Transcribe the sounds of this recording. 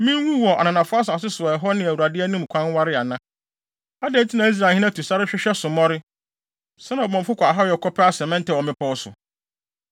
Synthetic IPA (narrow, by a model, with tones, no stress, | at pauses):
mĩ˦wũ˦wɔ˨a̰˨nã˨nã˨fʊ˦a˦s̬a˨s̬ɪ˦sʊ˨ɔ˨ɛ˨ɦɔ˦nɪ̃˨æ˨u˨ɾa˨dɪ˦æ˦nũ˦m̩˨kʷʰã˦nwa˦ɾɪ˦a˨nã˦ | a˦dɛ̃˦n˦tʰi˦nã˨i˦s̬ɾa˨hɪ̃˦nã˦tʰu˨sa˦ɾɪ˦ɕᶣɪ˦ɕᶣɛ˦sʊ̃˨mɔ̃˦ɾɪ˦ | sɛ˦nã˨bɔ̃˨m˨fʊ˦kʷa˨a˨ɦa˦˨ɛ˨kʰɔ˦pʰɪ˦a˦sɛ̃˨mɛ̃˦n˦tʰɛ˨wɔ˨mɪ̃˦pʰɔ˦sʊ̰˨